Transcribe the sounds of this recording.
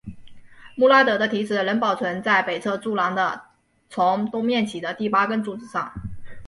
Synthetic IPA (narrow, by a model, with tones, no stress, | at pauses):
mu˥˩la˥t̪ɤ˧˥d̪ə˧t̪ʰi˧˥ʈ͡ʂɻ̩˨˩lə˧˥npɑ˨˩ʊt͡sʰwə˧˥nt͡sa˥˩ɪpe˨˩ɪt͡sʰɤ˥˧t͡su˥˩lɑ˧˥ŋd̪ə̰˧ | t͡sʰʊ˧˥ŋt̪ʊ˥ŋmjɛ˥˩nt͡ɕʰi˨˩d̪ə˦t̪i˥˩pa˥kə˥nt͡su˧˥˩ʈ͡ʂɻ̩˨˩ʂɑ̰˥˩ŋ